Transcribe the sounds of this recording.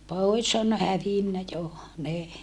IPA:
poˑis on hæʋinːæ jo ne

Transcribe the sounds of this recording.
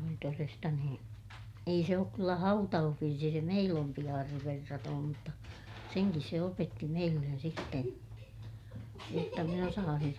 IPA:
oli torestɑ nuo ei se oːk kylːæ hɑutɑuhʋirsi se meilː ompi ɑːrːeʋ ʋerːɑtoːm mutːɑ seŋkis se opetːi meilːen sitːen jotːɑ min osɑːsin

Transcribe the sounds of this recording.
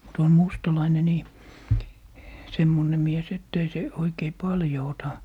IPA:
mut on mustɑlɑine niː semːone mies etː ei se oikei pɑljo otɑ

